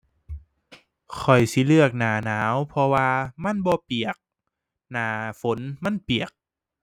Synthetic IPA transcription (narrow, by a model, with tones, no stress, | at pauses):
kʰɔ˨˩jsi˧˦lɯ˥˩ək̚naː˨˩˦naː˩˦wpʰɔ˧waː˧ma˧˥˨nbɔː˧pi˨˩ək̚ | naː˨˩˦fo˨˦nma˧˥˨npi˨˩ək̚